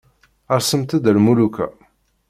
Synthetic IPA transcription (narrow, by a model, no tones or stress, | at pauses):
əɾsəmt̪əd̪əlmulukæ̰